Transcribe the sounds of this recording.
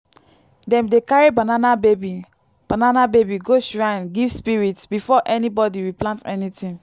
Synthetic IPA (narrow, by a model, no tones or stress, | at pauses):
dɛ̃mdekaɹibãnanabebi | b̥ananabebiɡoʃɹããnɡivspiɹitbifɔʔɛnibɔdiɹiplãntɛ̰nitĩn